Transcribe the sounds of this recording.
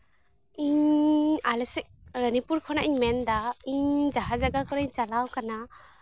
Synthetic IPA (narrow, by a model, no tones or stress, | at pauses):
iɲalɛsɛk̚ɾənipuɾkʰɔnaʔiɲmɛnd̪aiɲd͡ʒaɦad͡ʒaɡakɔɾaɲt͡ʃalawkana